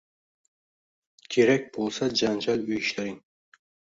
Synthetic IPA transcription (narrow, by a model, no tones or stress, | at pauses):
kʲʰeɾæk̚ʲbolˠsad͡ʒɑnd͡ʒɑlˠujʃlˠɑjn